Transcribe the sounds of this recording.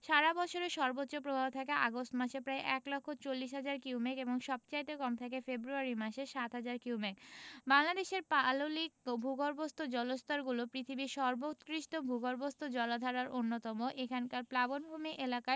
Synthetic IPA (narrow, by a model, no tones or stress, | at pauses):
ʃaɾabɔt͡ɕʰoɾeʃɔɾbotːɕːopɾobʱabt̪ʰakeʔa̰ɡosʈmaʃepɾaeʔɛklɔkʰːot͡ɕolːiʃ̬ɦad͡ʑaɾkiumekeboŋʃɔb̚t͡ɕajʈ̪ekɔmt̪ʰakefebɾuaɾimaʃeʃat̪ɦad͡ʑaɾkiumekbaŋlad̪eʃeɾpalolikbʱuɡoɾbost̪od͡ʑɔlost̪aɾɡulopɾit̪ʰibiʃɔɾbot̪kɾiʃʈobʱuɡoɾbost̪od͡ʑɔlad̪ʱaɾaɾʔonːot̪ɔmoʔekʰankaɾplabonbʱumiʔelakae